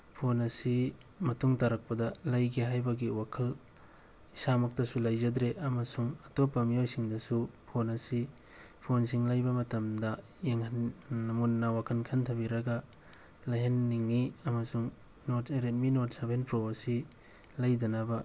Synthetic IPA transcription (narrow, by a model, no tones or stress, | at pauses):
pʰonɐsi | mɐtuŋtaɾɐk̚pɐdɐlɐjɡiɦajbɐɡiwakʰɐl | isamɐk̚tɐsulɐjd͡ʒɐdɾeʔɐmɐsuŋɐtopːɐmijojsiŋdɐsupʰonɐsi | pʰonsiŋlajbɐmɐtɐmdɐ | jeŋhɐnmunːɐwakʰɐnkʰɐntʰɐbiɾɐɡɐ | lɐjɦenːiŋːiɐmɐsuŋ | noteɾetminoɾtsabenpɾoɐsi | lɐjdɐnɐbɐ